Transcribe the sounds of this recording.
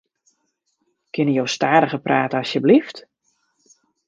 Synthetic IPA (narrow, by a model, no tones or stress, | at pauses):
kʰɪnəjowstaːdəɣəpraːtəɑsjəblift